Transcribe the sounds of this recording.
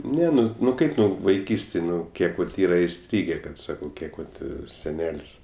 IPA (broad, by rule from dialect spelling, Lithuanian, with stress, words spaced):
ˈnʲɛ ˈnʊ nʊ ˈkɐɪp ˈnʊ ʋɐɪˈkʲiːsʲtʲeːj ˈnʊ ˈkʲiɛk ʋɐt ˈiːrɐ ɪˈsʲtʲrʲiːɡʲeː ˈkɐt ˈsɑːkɐʊ ˈkʲiɛk ʋɐt sʲɛˈnʲɛlʲsʲ